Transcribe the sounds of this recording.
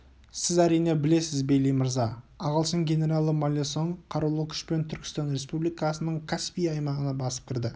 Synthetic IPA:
sɪzæɾijne̞bɪle̞sɪzbejlejməɾzɑɑʁəlˠsəŋɡʲe̞ne̞ɾɑlˠːəmalʲesoɴqʰɑɾulˠəkʲʰʏ̥ʃpe̞nt̪ʰʏɾkʲɪ̥st̪ɑnɾe̞spublijkɑsənəɴkʰaspʲijɑjmɑʁənɑbɑsə̥p̚kʲɪɾd̪ɪ

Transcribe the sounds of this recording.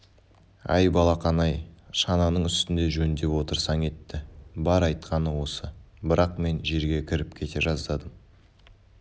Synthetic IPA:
ɑ̰jbɑlˠɑqɑnɑjʃɑnɑnəɴʏst̪ɪnd̪e̞ʒɵnd̪e̞pwo̞t̪əɾsɑɴe̞t̪ːɪbɑɾɑjt̪̚qɑnəwo̞sə | bɪɾʔɑq̚me̞nʒe̞ɾɡʲe̞kʲʰɪɾɪp̚kʲʰe̞t̪e̞ʒɑzd̪ɑd̪əm

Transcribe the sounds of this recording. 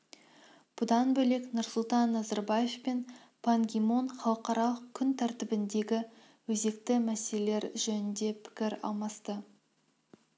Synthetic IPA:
b̥ʊd̪ɑnbɵle̞knʊɾsʊlˠt̪ɑnːɑzɑɾbɑje̞fpe̞n | pʰaŋɡʲimo̞nχɑlˠəqɑɾɑlˠəqkʲʰːʏnt̪ʰæɾt̪ɪbɪnd̪e̞ɡʲɪ | wɵze̞kt̪ɪmæselele̞ɾʒɵnɪnd̪e̞pʰɪ̥kʲɪɾɑ̰lˠmɑst̪ə

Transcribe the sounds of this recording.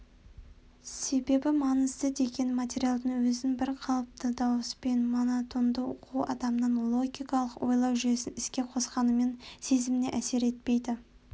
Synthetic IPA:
se̞be̞bɪmɑnəzd̪əd̪e̞ɡʲe̞nmat̪ʲe̞ɾijalˠd̪əɴwɵzɪŋbɪɾqʰɑlˠəp̚t̪əd̪ɑwəspe̞nmonat̪o̞nd̪əo̰qʰuwɑ̰d̪ɑmənɑnlˠo̞ɡʲijkɑlˠəqwʔo̞jlˠɑwʒʏje̞sɪnɪskʲe̞qʰo̞sqɑnəme̞nse̞zɪmɪnḛʔæse̞ɾe̞t̪̚pe̞jd̪ɪ

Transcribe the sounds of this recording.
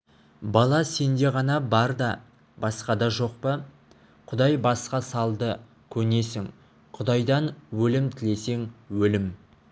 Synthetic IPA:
bɑlˠɑse̞nd̪e̞ʁɑnɑbɑɾd̪ɑ | bɑsqɑd̪ɑʒo̞q̚pə | qʰʊd̪ɑjbɑsqɑsɑlˠd̪ə | kʲʰɵne̞sɪŋ | qʰʊd̪ɑjd̪ɑnwɵlɪmt̪ʰɪle̞se̞ŋwɵlɪm

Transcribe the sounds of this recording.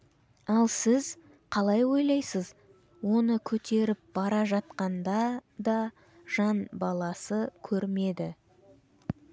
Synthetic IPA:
ɑlˠsɪz | qʰɑlˠɑjwo̞jlˠɑjsəz | wo̞nəkʲʰɵt̪e̞ɾɪp̚bɑɾɑʒɑt̪̚qɑnd̪ɑd̪ɑ | ʒ̥ɑnbɑlˠɑsəkʲʰɵɾme̞d̪ɪ

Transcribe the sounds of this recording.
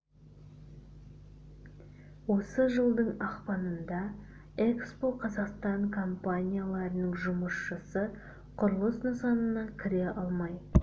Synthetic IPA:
wo̞səʒəlˠd̪əɴɑqpɑnənd̪ɑ | ekspo̞qʰɑzɑqst̪ɑɴkʰo̞mpanʲijalˠɑɾənəɴʒʊməsʃəsə | qʰʊɾəlˠəsnəsɑnənɑkʲʰɪɾe̞ʔɑlˠmɑj

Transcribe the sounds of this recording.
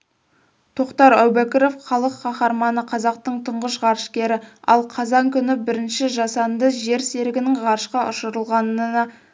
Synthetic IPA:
t̪ʰo̞qt̪ɑɾæwbækʲiɾo̞fχɑlˠəqːɑχɑɾmɑnəqʰɑzɑqt̪əɴt̪ʰʊɴʁəʃʁɑɾʃkʲe̞ɾɪɑ̰lˠqʰɑzɑŋkʲʰʏnɪbɪɾɪnʃɪʒɑsɑnd̪əʒe̞ɾse̞ɾɪɡʲɪnɪŋʁɑɾʃqɑʔʊʃəɾəlˠʁɑnənɑ

